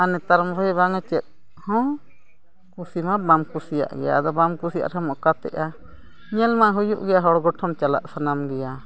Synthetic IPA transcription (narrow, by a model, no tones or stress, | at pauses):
anɛt̪aɾmɾɔbaŋɛt͡ʃɛt̪̚ | hɔ̃ | kusimabamkusija̰ʔɡɛja̰d̪ɔbamkusija̰ʔɾamɔʔkat̪ɛ̰ʔa | ɲɛlmaɦujṵʔɡɛjaɦɔɽɡɔʈʰɔmt͡ʃala̰ʔsanamɡɛja